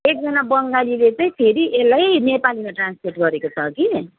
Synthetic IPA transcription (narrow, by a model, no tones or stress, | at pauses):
ek̚d͡zʌnabʌŋɡalilet͡saĩpʰeɾiʔelajnepalimaʈranspʰorʈɡʌɾekot͡sʰʌki